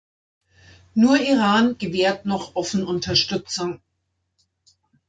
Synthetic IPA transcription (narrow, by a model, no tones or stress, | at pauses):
nuːɐʔiʁaːnɡ̥əveːɐtnɔχʔɔfn̩ʔʊntʰɐʃtʏt͡sʊŋ